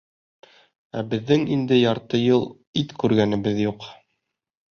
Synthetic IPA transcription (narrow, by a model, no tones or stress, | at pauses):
æbɘ̆ðːɘŋind̪ɘjɑɾt̪ɤjɤlˠ | it̪kʉɾɡænɘ̆bɘðjuq